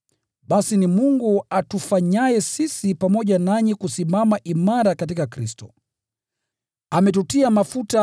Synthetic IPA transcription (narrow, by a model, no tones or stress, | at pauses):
ɓasinimuŋɡuatufaɲaɛsisipamɔʄanaɲikusimamaʔimaɾakat̬ikakɾistɔ | amɛt̬utiamafuta